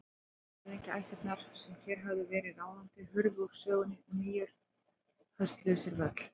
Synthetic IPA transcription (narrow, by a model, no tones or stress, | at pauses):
ɪejɲcɪajht̪ɛt̪naɾsɛmçɛɾ̥ɦavðʏvɛːɾɪðaːwðant̪ɪhʏɾvʏuɾ̥sœːɣʏnːɪmiːjʏɾ̥ | hœst̪lœɥsɪɾvœt̪l̥